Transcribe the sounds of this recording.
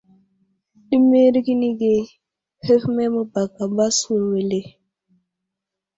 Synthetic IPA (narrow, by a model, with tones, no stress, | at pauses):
ɗi˦me˦ɾɡi˦ni˦ɡe˨ | he˦fmɛ˦mɔ˦ba˨ɡa˨ba˦swo˨we˨le˨